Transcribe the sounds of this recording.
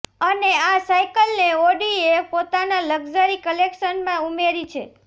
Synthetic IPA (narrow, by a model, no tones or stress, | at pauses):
əneasajkəlneoɖiepot̪analəɡd͡ʒəɾikəlekʃənmãumeɾit͡ʃʰḛ